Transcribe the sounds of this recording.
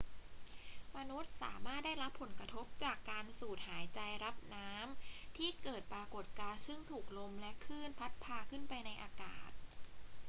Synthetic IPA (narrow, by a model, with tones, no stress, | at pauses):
ma˧nu˦˥t̪̚sa̰ː˩˦maː˥˩t̪̚da˥˩jɾa˦˥pʰːo˩˦nkɾa˧t̪ʰo˦˥p̚t͡ɕaː˨˩kːaː˧nsuː˨˩t̪̚haː˩˦jt͡ɕa˧jɾa˦˥p̚naː˦˥mt̪ʰiː˥˩kɤː˨˩t̪̚pɾaː˧ko˨˩t̪̚kaː˧sɯ˥˩ŋt̪ʰuː˨˩k̚lo˧mlɛ˦˥ʔkʰɯː˥˩npʰa˦˥t̪̚pʰaː˧kʰɯ˥˩npa˧jna˧jʔaː˧ka̰ː˨˩t̪̚